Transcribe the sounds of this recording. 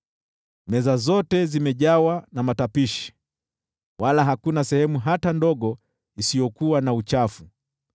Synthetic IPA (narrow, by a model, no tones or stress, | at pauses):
mɛzazɔtɛzimɛʄawanamatapiʃi̥ | walaɦakunasɛhɛmuɦatandɔɠɔ | isijɔkuwanaut͡ʃafu